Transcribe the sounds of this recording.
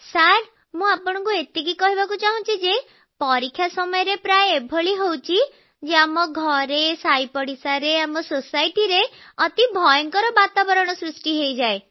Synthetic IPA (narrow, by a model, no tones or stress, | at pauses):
saɾ | mũapɔɽ̃ɔ̃ŋkuet̪ikikɔɦibakut͡ʃaɦũt͡ʃʰid͡ʒe | pɔɾikʰːjasɔmɔjɔɾepɾaeːbʱoɭiɦowt͡ʃʰi | d͡ʒeamɔɡʱɔɾesajpɔɽisaɾeamɔsosajʈiɾe | ɔt̪ibʱɔjɔŋkɔɾɔbat̪abɔɾɔɽ̃ɔsɾusʈiɦejd͡ʒae